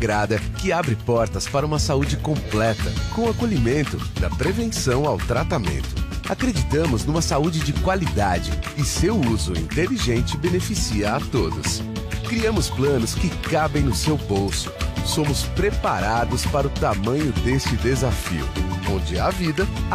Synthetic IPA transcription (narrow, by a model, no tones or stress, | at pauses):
ɡɾad̪ɐkɪabɾɪpɔɾt̪ɐspaɾɐũmɐsaud͡ʒɪkõplɛt̪ɐkõw̃akoʎimẽnt̪ʊd̪ɐpɾevẽsɐ̃w̃awt̪ɾat̪amḛ̃nt̪ʊ̥akɾed͡ʒit̪ɐ̃mʊznũmɐsaud͡ʒɪd͡ʒɪkwalid̪ad͡ʒɪɪsewuzʊĩnt̪eliʒẽnt͡ʃɪbenefisiɐat̪od̪ʊs | kɾiɐ̃mʊsplɐ̃nʊskɪkabẽj̃nʊsewbowsʊ̥sõmʊspɾepaɾad̪ʊspaɾɐʊt̪amɐ̃ɲʊd̪est͡ʃɪd̪ezafḭʊ̰õd͡ʒɪɐvid̪ɐ